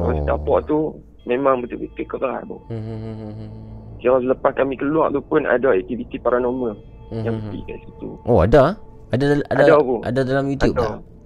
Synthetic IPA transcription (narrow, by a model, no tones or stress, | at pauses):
a̰st̪a̰pɔʔt̪u | mẽmaŋbət̪ubət̪əkəbaa̰ʔ̚bɔ | d͡ʒiaasələpaskamikəlua̰ʔt̪upʊna̰daɛk̚t̪ivit̪ipaɾanomə | jaŋbətḭʔka̰ʔsit̪ṵʔoa̰da | adaadadapuʔa̰dadalamjut̪jup̚a